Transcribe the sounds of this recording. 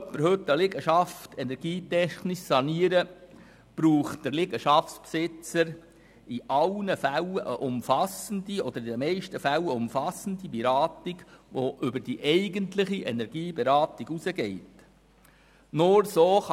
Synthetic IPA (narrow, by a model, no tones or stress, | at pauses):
pːəɾhɵtːəlɪɡəʃɑftʰɛnɛɾɡ̥iːtɛχnɪʃsɑniəɾə | b̥ɾuːχtd̥əɾlɪɡəʃɑfspsɪt͡səɾ | iʔɑlnəfæləʔəʔʊmfɑsəndiɔd̪əɾidɛmɛɪʃtəfæləʊmfɑsən̩dibiɾɑːtiɡʋoʔʏbəd̥iʔɛɪɡəntlɪχiʔɛnɛɾɡ̥iːbeɾɑːtiɡusəɡɛɪt | nʊɾsoːχ